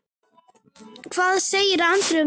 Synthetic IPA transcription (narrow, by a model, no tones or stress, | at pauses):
kʰvaːðseːjɪɾant̪ɾʏ